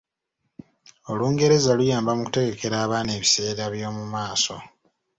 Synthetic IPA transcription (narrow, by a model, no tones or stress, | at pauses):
o̞luːŋɡe̞ɾe̞zalujaːmbamuku̥te̞ɡe̞ke̞ɾaːβaːne̞ːβise̞ːɾaβjo̞ːmumaːso̞